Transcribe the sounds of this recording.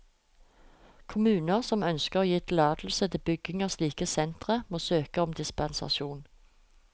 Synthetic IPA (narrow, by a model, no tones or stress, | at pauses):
kʰʊmʉːnəʁsɔmœnskəʁoːjɪːt̪lɑːd̪̥l̩sət̪ʰɪbʏɡɪŋəsliːkəsɛnt̪ʁəmoːsøːkəɔmd̪ɪspɛnsɑ̰ʃuːn